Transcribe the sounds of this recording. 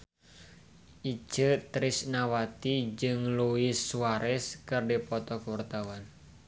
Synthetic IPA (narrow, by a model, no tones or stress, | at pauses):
ʔi̥d͡ʒ̥ət̪ɾɪsnawat̪id͡ʒɨŋluɪsːuaɾɛskɨrdipɔt̪ɔkuwərt̪awan